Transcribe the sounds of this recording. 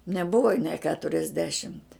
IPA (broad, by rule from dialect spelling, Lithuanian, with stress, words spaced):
nʲɛˈbʊʋɐ nʲeː ˈkʲæːtʊrʲɛzʲdʲɛʃʲɪmʲtʲ